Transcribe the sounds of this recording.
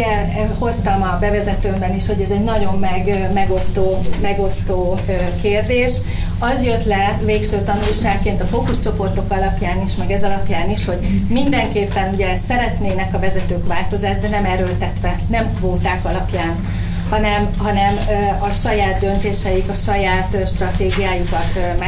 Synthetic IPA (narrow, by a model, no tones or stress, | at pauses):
ɛ | ho̞st̪ɒmɒbɛvɛzɛt̪øːmbɛniʃho̞ɟɛzɛɟnɒɟo̞mːɛɡmɛɡo̞st̪oːmɛɡo̞st̪oː | økeːrd̪eːʃ | ɒzjø̞t̪lɛveːkʃøːt̪ɒnurʃaːkːeːnt̪ɒfokuʃt͡ʃo̞po̞rt̪o̞kɒlɒpjaːniʃmɛɡɛzɒlɒpjaːniʃho̞ɟmind̪ɛŋkeːpːɛnuɟɛsɛɾɛt̪neːnɛkɒvɛzɛt̪øːkʋaːlt̪o̞zaːʒd̪ɛnɛmɛɾøːlt̪ɛt̪ʋɛnɛmkvoːt̪aːkɒlɒpjaːn | hɒnɛmɦɒnɛmɒʃɒjaːd̪ːø̞nt̪eːʃɛjikɒʃɒjaːt̪ʃt̪rɒt̪eːɡijaːjukɒt̪mɛ